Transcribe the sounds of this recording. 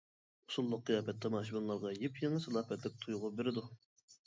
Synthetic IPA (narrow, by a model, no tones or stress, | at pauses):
usulˠːʊq̚ːɨjɑːpɛt̪ːɑmɑʃ̬bunlˠɑɾʁɑjipjeŋəsɨlˠɑːpɛt̪lɪk̚ʲt̪ʰujʊʁʊp̚beɾɪd̪u